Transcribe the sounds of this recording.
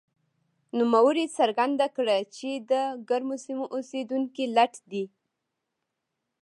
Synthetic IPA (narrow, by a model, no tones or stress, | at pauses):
numawəɾisaɾɡand̪akɽat͡ʃed̪əɡaɾmosimoʔosed̪uŋkilaʈd̪i